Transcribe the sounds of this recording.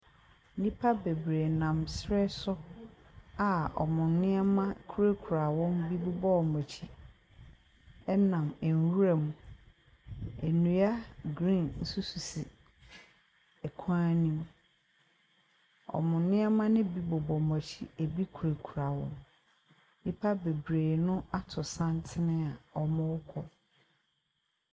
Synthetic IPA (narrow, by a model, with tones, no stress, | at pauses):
nĩ˦pʰa˦be˨bɾe˨nã˨msɾɛ˦sɔ˦ | a˨ɔ̰˨mʊ̃˨nnɪ̃˦a˦mã˦kʰu˦ɾe˦kʰu˨ɾa˨wɔ̃˦mbi˦bu˦bɔ˦ɔ˨mɔ˨t͡ɕʰi˦ | ɛ˦nã˨mɛ˨n˨wu˦ɾa˨mũ˨ | e˨nũ˨a˦ɡɾĩ˦˨nn̩˦su˦su˨si˨ | ɛ˨kʰã˦nĩ˦m˦ | ɔ̰˨mʊ̃˨nɪ̃˦a˦mã˦nɪ̃˦bi˦bɔ˨bɔ˨mɔ̃˨t͡ɕʰi˦e˨bi˦kʰu˨ɾe˨kʰu˨ɾa˨wɔ̰̃˦m | nĩ˦pʰa˦be˨bɾeː˨nʊ̃˦a˦tʰʊ˨sã˦ntʰɪ˦nɪ̃˦a˨ɔ˨mʊ̃˦wʊ˦kʰɔ˦